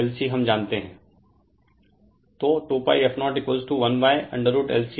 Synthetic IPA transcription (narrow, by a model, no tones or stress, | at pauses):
ɛlsiɦɐmd͡ʒãːnt̪eɦɛ̃ː | t̪oːʈoːpa̰ːiɛfnɔːʈɪkʋəlzʈuʋɐnʋaːɪʔɐ̰̃ɳɖəɾuːʈɛ̰lsi